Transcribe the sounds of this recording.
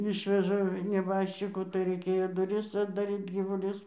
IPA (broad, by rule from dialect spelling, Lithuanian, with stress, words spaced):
ˈɪʃʲʋʲɛʒɐ nʲɛˈbɑːʃʲt͡ʃʲɪkʊ tɐɪ rɐɪˈkʲeːjoː ˈdʊrʲɪs ɐddɐˈrʲiːt ɡʲiːʋʊˈlʲʊs